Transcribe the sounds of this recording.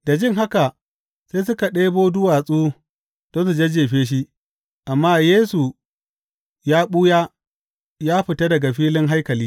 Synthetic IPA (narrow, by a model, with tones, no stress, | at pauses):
da˨d͡ʒɪ˦ŋɦa˦ka˨ | seː˦s̬ʊ˦ka˨ɗeː˦boː˦dʊ˦waː˨sʼuː˦ | d̥ɔ˦ns̬u˨d͡ʒe˦d͡ʒeː˨ɸeː˦ʃ̬i˦ | ʔa˨mːaː˦jeː˦su˨ | jaː˦ɓuː˦jaː˦ | jaː˦ɸɪ˨ta˦dɐ˨ɡa˨ɸiː˦lɪ˦ŋɦa˦jkɐ˨liː˦